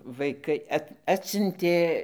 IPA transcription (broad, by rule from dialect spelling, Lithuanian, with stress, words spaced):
ʋɐɪˈkɐɪ ˈɐt ˈɑːtʲsʲʊnʲtʲeː